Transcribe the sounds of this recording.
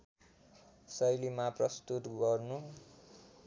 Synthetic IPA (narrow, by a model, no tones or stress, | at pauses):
sʌjlimaprʌst̪ut̪ɡʌrnu